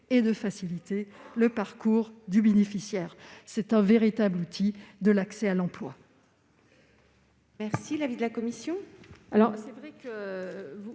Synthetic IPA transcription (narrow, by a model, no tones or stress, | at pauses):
ed̪əfasilit̪eləpaʁkuʁd̪ybenefisjɛʁsɛt̪ɛ̃veʁit̪ablut̪ʰid̪əlaksɛalɑ̃plwa̰ | mɛʁsilavid̪əlakɔmisjɔ̃alɔʁsɛvʁɛkəvu